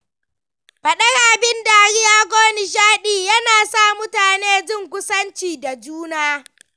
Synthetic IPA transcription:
ɸɐ˨ɗɐ˦ɽaː˨bɪ˦nda˨ɽɪ˦jaː˦ɡʷoː˦ni˨ʃ̬aː˦ɗiː˨jɐ˦naː˨sa˦˨mʊ˦taː˨neː˦d͡ʒɪ˦˨ŋkʷʊ˦sɐ˦nt͡ʃiː˨da˨d͡ʒuː˦naː˦

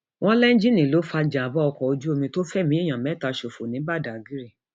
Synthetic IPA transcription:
wʔɔ̃˦lɛ˦n̩˦d͡ʒi˦˨nĩ˨lo˨˦fa˧d͡ʒã˨bɔ˦ɔ˧kɔ˨o˧d͡ʒu˦o˧mĩ˧to˦fɛ˦˨mĩ˨˦i˦˨j̃ã˨mɛ˨˦ta˧˨ʃo˨fo˨nĩ˨˦ba˦˨da˨ɡi˨˦ɾi˦˨

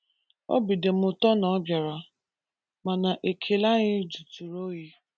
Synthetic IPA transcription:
ɔ̰˦bi˨de˨m̩˦ʊ˨tɔ˦nɔ˨˦ɡa˨ɾa˨ | ma˨na˨ʔe˨kʰe˨la˦ɲɪ˦d͡ʒu˨tu˨ɾo˦ji˦

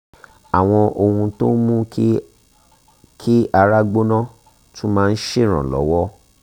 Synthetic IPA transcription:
a˨w̃ɔ̃˧ʔo˧hũ˧to˦mũ˦ | kʰi˦a˧ɾa˦ɡ͡bo˦nã˦ | tũ˦mãː˦˧n̩˦ʃe˦˨ɾ̃ã̰˨lɔ̰˨˦wɔ˦

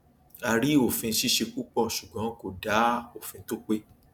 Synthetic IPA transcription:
a˧ɾi˦o˦˨fĩ˧ʃi˦ʃe˧ku˦k͡pɔ˦˨ʃu˨ɡ͡bɔ̃˨˦ko˨da˨˦o˦˨fĩ˧to˦k͡pe˦

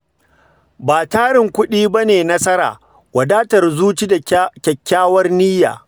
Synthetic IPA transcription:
baː˨taː˦ɽɪ˨ŋkʷʊ˦ɗiː˦bɐ˦neː˨nɐ˦sɐ˦ɾa̰ː˨ | wɐ˨daː˦tɐ˨rzuː˦t͡ʃi˦da˨kʲɐ˨kʲːaː˦wɐ˦rniː˦ja̰ː˨

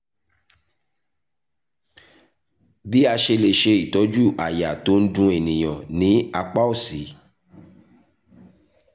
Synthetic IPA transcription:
bi˦a˧ʃe˧le˨ʃe˧i˨tɔ˨˦d͡ʒu˦˨ʔa˨ja˨to˨˦n̩˦dũ˦e˨nĩ˨j̃ã˨nĩ˨˦a˧k͡pa˦o˦˨si˨˦

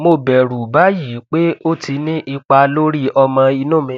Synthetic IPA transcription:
mo˧bɛ˨ɾu˨ba˨˦ji˨˦k͡pe˦o˦tʰi˧nĩ˦ʔi˧k͡pa˧lo˦ɾi˦ʔɔ˧mã˧i˧nũ˦˨mĩ˧˦

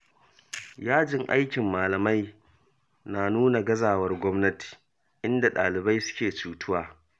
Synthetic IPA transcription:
jaː˦d͡ʒɪ˦ŋʔa̰˦jkʲɪ˨mːaː˨lɐ˨ma˦j | naː˨nuː˦na˨ɡɐ˦zaː˨wɐ˦rɡʷɔ˦mnɐ˦ti̥˨ | ʔɪ˦nda˨ɗa̰ː˨lɪ˨ba˦jsʊ̥˦kʲeː˨t͡ʃuː˨tʊ˦waː˨

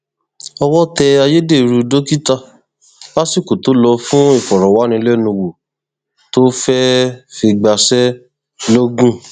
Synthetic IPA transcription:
ɔ˧wɔ˦tɛ˧a˧je˦de˦˨˧ɾu˧do˦ki˦ta˦ | la˦si˦˨ko˨to˨˦lɔ˧fũ˦e˦˨fɔ˨ɾɔ˨wa˨˦nĩ˧lɛ˦nũ˧wo˨ | to˦fɛ˦fi˧ɡ͡ba˧sɛ˦ | lo˦ɡũ˦

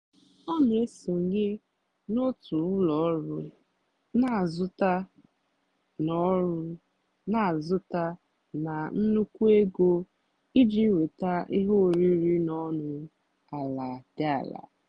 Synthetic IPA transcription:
ɔ˦m˨e˦so˨ɲe˦ | no˦tʊ˨ʊ˦lɔ˨ɔ˦ɾʊ˦ | na˨zʊ˦ta˦ | nɔ˦ɾʊ˦ | na˨zʊ˦ta˦ | na˨n̩˦nu˦kʷu˦e˦ɡo˦ | i˦d͡ʒi˦we˨ta˦i˦ɦo˦˨ɾi˦ɾi˦nɔ˦nʊ˨˦ | a˨la˨dɪ˦a̰˨la̰˨

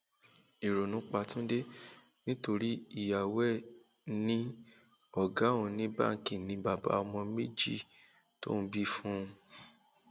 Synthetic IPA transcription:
i˨ɾo˨nũ˨˦k͡pa˧tũ˦de˦ | nĩ˦to˧ɾi˦i˦˨ja˨wɛ˦˨ | nĩ˦ | ɔ˦˨ɡa˨˦ũ˧nĩ˦ba̰˦˨ŋ˨kĩ˦˨nĩ˧˦ba˨ba̰˨˦ɔ˧mɔ̃˧me˦˨d͡ʒi˦˨ | to̰˦n̩˧˦bi˦fũ˦ũ˧

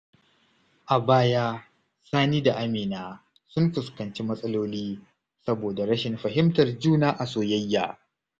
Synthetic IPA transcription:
ʔa˨baː˦jaː˦ | saː˦niː˦da˨ʔa˦miː˨naː˨ | sʊ˦mɸʊ˨skɐ˨nt͡ʃi˦mɐ˦sʼɐ˦loː˦liː˦ | sɐ˦boː˨da˨ɽɐ˦ʃɪ˨mɸɐ˨ɦɪ˦mtɐ˨rd͡ʒuː˦naː˦ʔa˨soː˨jɐ˦jːa̰ː˨

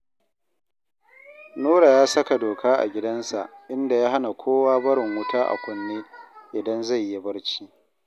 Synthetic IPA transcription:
noː˦ɽa˨jaː˦sɐ˦ka˨doː˨kʰaː˦ʔa̰˨ɡʲɪ˦dɐ˦nsa̰˨ʔʔɪ˦nda˨jaː˦ɦa˦na˨kʷʰoː˦waː˦bɐ˦ɽɪ˨ŋwʊ˦tʰaː˦ʔa̰˨kʷʊ˨nːeː˦ʔɪ˨dɐ˦nza˦˨jːi˦bɐ˦ɽt͡ʃiː˦

